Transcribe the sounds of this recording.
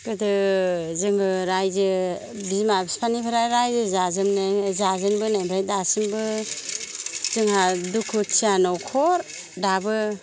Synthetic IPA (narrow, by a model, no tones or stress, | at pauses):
ɡɯdɯzɯŋɯɾajzɯ | bizmabispʰanipʰaɾaɾajzɯzazɯmnazazɯnbɯnajbʰɾajdasimbɯ | zɯŋɦadukʰɯtʰijanɔwkʰɔɾ | dabɯ